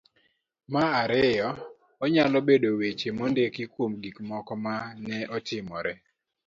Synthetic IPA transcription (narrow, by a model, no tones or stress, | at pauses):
maaɾɪjɔ | ɔɲalɔbedowet͡ʃemondekɪkwomɡikmɔkɔmanɛʔɔtɪmɔɾɛ